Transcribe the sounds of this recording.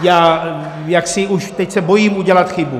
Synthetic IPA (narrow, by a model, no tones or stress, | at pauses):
jaː | jaksɪuʃt̪ɛcsɛbojiːmuɟɛlat̪xɪbu